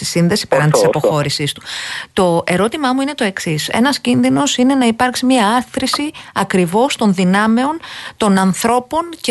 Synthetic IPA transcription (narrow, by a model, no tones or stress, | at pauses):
i̥sinðe̞si̥peɾɐnt̪isɐpo̞xo̞ɾisist̪u̥t̪o̞e̞ɾo̞t̪imɐmuine̞t̪o̞e̞ksise̞̰nɐscinðino̞sine̞nɐipɐɾksimɲɐɐθɾisiɐkɾivo̞st̪o̞nðinɐme̞o̞nt̪o̞nɐnθɾo̞po̞nce